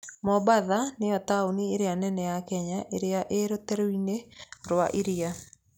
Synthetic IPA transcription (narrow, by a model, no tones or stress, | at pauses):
mɔbaðanejɔtaonieɾeanɛnɛjakɛɲaʔeɾeaʔeɾotɛɾoineɾwaʔiɾia